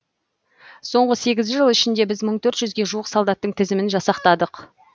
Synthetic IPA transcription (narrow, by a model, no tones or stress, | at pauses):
so̞ɴʁəse̞ɡʲɪzʒəlˠɪʃɪnd̪e̞bɪzməɴt̪ʰɵɾt̪ʒʏzɡʲe̞ʒuwəqsolˠd̪ɑt̪ːəɴt̪ʰɪzɪmɪnʒɑsɑqt̪ɑd̪əq